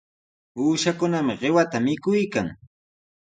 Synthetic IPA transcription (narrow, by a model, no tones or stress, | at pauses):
uːʃakʊnamɪɢɪwat̪amɪkʊjkaŋ